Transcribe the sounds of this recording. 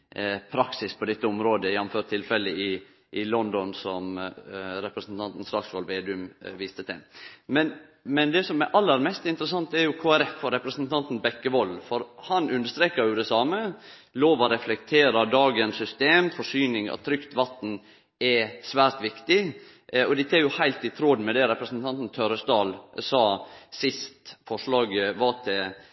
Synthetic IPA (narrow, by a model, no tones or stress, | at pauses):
pʰɾɑksɪspʰɔd̪ɛt̪ːəɔmɾoːd̪əjænːɔmføːʈt̪ʰːɪlfɛlːəɪ | ʔɪlɔnd̪ɔnsɔm | ɾɛpɾəsnt̪ʰɑnt̪n̩sɾɑksʋɔlʋeːd̪ʉmʋiːst̪ət̪ʰɛmɛnmɛnd̪ɛsɔmæʔɑlːəɾmɛst̪ɪnt̪əɾəsɑnt̪æɾjʊkʰoːæɾɛfːɔɾɛpɾəsnt̪ʰɑnt̪n̩bɛkːəʋɔlfɔɾhɑnʉnd̪əʂt̪ɾeːkəɾjʊd̪ɛsɑːmə | loːʋɔɾɛflɛkt̪ʰeːɾɑd̪ɑːɡənsʏst̪eːmfɔʂyːnɪŋɑ̰t̪ʰɾʏkt̪ʋɑt̪n̩ | ɛsʋæːɾt̪ʋɪkt̪ɪ | ɔd̪ɪt̪ʰɛɾjʊhæɪlt̪ɪt̪ʰɾod̪mɛd̪ɛɾɛpɾəsnt̪ʰɑnt̪n̩t̪ʰøɾəsd̪ɑːlsɑːsɪst̪fɔʂɭɑːɡʋɑt̪ʰɪ